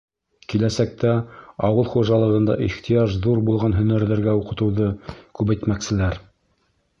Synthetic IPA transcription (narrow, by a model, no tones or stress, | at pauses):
kilæsæk̚t̪æɑwɤlˠχuʒɑlˠɤ̆ʁɤ̆nd̪ɑ̰ʔiχt̪ijɑʃðuɾbulˠʁɑnɦɵ̆næɾðɘ̆ɾɡæuqɤ̆t̪ɤ̆wðɤkʉβæjt̪mæksɘ̆læɾ